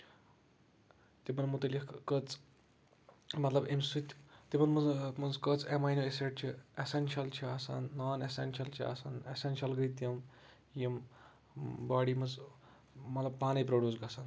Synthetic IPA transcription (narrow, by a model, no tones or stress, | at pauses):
t̪ebɐnmut̪ɐlikkət͡s | mɐt̪lɐbemsut̪ʲt̪ibɐnmɐnmɐnzkət͡semaːjnoeseʈ̚t͡ʃʰiesenʃɐlt͡ʃʰiaːsa̰ːnːaːnesḛnʃɐlt͡ʃʰia̰sanesenʃɐlɡɐit̪jɐm | jim | baːɽimɐnz | mɐt̪lɐb̚paːnɐjpɾoɖʲjuːzɡɐsan